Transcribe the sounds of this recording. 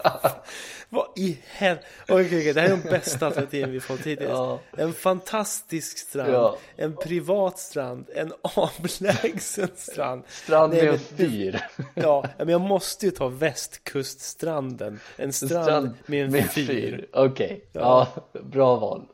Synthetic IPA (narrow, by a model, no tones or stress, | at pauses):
vaɪhɛɔkʰɛjɔkʰɛjd̪ɛhæːɾjɖ̪ɔmbɛst̪alɛɾat̪ʰiːvənvɪhafɔt̪ʰːiːd̪ɪɛnfant̪ʰast̪ɪskst̪ɾad̪ʔɛnpʰɾɪvɑːt̪st̪ɾand̪ɛnɑːvlɛːɡsənst̪ɾa̰nd̪st̪ɾanɛɛnfyːɾjɑːɛmɛnjɑːɡmɔst̪əjɵt̪ʰɑːvɛst̪kʰɵst̪st̪ɾand̪ənʔɛnst̪ɾand̪mɛɛnɛfyːɾɔkʰɛjjɑ̰ɑbɾɑːvɑ̰ːl